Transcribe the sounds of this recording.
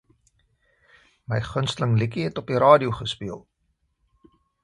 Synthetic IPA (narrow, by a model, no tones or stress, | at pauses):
məjχənstələŋlikiɦɛtɔpiɾɑːdiuwχəspiəlˠ